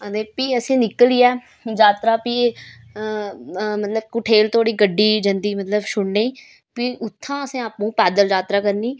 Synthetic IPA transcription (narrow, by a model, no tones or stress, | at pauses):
əd̪eːpiːəsĩːnɪkəliːɛː | d͡ʒaːt̪ɾaːpi | mət̪ləb̚kʊʈʰeːlt̪ʰoːɽiːɡəɖːiːd͡ʒənd̪iːmət̪ləbʃʊɽneː | piʔʊt̪ʰːãːəsẽːaːpũːpɛːd̪əld͡ʒaːt̪ɾaːkəɾniː